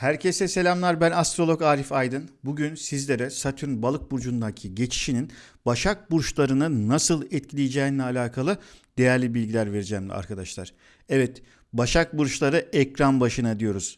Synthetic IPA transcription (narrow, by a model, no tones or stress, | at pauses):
hæɾcʰesɛse̞lʲamlˠaɾbænast̪ɾo̞lˠo̞kaːɾifajd̪ɯnbuɟynsizlʲe̞ɾɛsat̪ʰyɾnbalˠɯk̚buɾd͡ʒund̪acʰiɟe̞t͡ʃʰi̥ʃinin | baʃak̚buɾʃlˠaɾɯnɯnasɯlˠɛt̪̚cʰilʲijd͡ʒɛːinlʲɛalʲaːkʰalˠɯd̪̥e̞jæɾlʲibilʲɟilʲæɾve̞ɾid͡ʒɛːmd̪ʲɛ̰a̰ɾkʰad̪aʃlˠaɾ̥ | ɛvɛt̪ | baʃak̚buɾʃlˠaɾɯɛcɾanbaʃɯnad̪ijo̞ɾuz̥